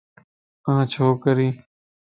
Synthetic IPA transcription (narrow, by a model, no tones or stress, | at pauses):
ãːt͡ʃʰoːkəɾĩː